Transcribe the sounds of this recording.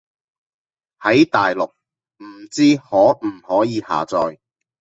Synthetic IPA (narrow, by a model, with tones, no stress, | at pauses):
hɐ˨˥jt̪aː˨jlʊ˨k̚ | m̩˨˩t͡siː˥hɔː˨˥m̩˨˩hɔː˨˥jiː˨˧ha̰ː˨˩t͡sɔː˧j